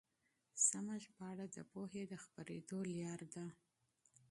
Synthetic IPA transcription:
samaʒpəaɽad̪əpoɦed̪əxpaɾed̪oljɑɾd̪a

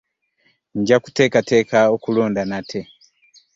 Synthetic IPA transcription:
ɲɟaku̥te̞ːkate̞ːkaokulo̞ːndanatʰe

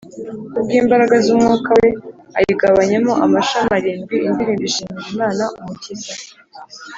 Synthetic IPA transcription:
ub̚ɡiːmbaɾaɡazumŋuːkawe̞ | a̰jiɡaβaɲe̞mo̞ʔamaʃamaɾiːmbiindiɾiːmbiʃimiɾimaːnaumucita

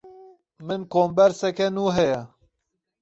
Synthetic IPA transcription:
mɨnkoːmbɐɾsɛkenuːɦɛja

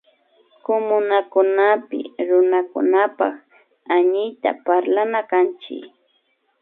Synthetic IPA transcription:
komʊnakʊnapɪ̰ɾʊnakʊ̰napak | aɲɪjt̪a̰paɾlanakant͡ʃɪ̰k

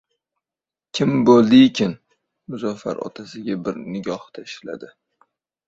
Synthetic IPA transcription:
kʲʰɪmbolˠd̪ɪkʲʰɪn | mʊzɒfa̰ɾɒ̰t̪ʰasɪɡʲabɪɾnɪɡʲɒht̪ʰaɪʃla̰d̪ɪ

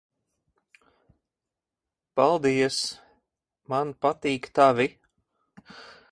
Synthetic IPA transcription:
palˠd̪iɛs | manpat̪iːkt̪avi

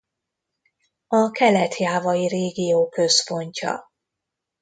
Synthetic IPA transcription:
ɒkɛlɛt̪ʰjaːvɒjireːɡijoːkø̞spo̞ɲcɒ̰

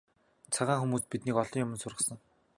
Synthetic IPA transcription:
t͡sʰaʁaːŋxumuːspit̪niːkɔɮɞ̆ŋjʊmənsʊrʁə̆sə̆ŋ

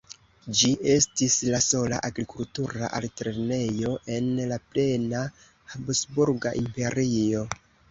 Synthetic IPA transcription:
d͡ʒiʔe̞stislaso̞la̰ʔaɡɾikultuɾa̰ʔaltɾe̞ne̞jo̞ʔe̞nlaple̞na | habosbuɾɡaʔimpe̞ɾio̞

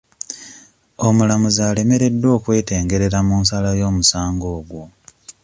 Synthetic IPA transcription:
omulamuzaːle̞me̞ɾe̞dːo̞ːkwe̞ːte̞ːŋɡe̞ɾe̞ɾamunsalajo̞ːmusaːŋɡo̞ːɡwo

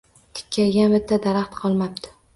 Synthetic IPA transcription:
t̪ʰɪ̥kʲʰːajɡʲanbɪt̪ʰːad̪aɾaχt̪qʰɒlˠmap̚t̪ʰɪ̥

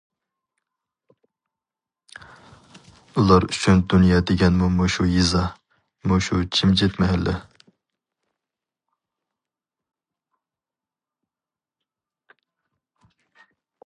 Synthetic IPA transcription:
ulˠɑɾyʃʰynd̪unjɑd̪eɡʲɛnmumoʃujizɑ | moʃut͡ʃʰimd͡ʒɛt̪mɛɦɛlːɛ

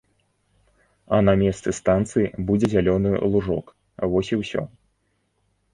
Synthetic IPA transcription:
ɐnɐmʲɛst̪sɨst̪ant̪sɨjibud͡zʲɛzʲalʲɔnɨ̰lˠuʐɔk | vɔsʲiwsʲɔ̰

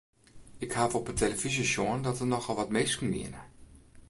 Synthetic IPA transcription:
ɪkhaːfɔpətʰeləfizəʃoəndɔtʋənɔχɔlˠʋɔtmejskənʋɪ̰ənə

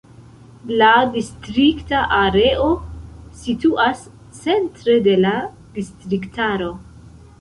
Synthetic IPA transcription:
ladistɾiktaʔaɾe̞ʔo̞situʔas | t͡se̞ntɾe̞de̞la | distɾiktaɾo̞

